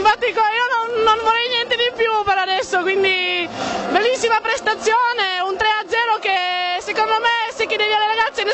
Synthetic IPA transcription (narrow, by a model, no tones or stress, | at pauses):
ɱfat̪ːikiːononːonvoɾɛjnjɛnt̪ed̪ipjupeɾad̪ɛsːokwind̪i | belːisːimapɾest̪at̪sːjoːneunt̪ɾead̪zɛːɾokesekond̪omesekːed̪ɛːvialːeɾaɡat̪sːene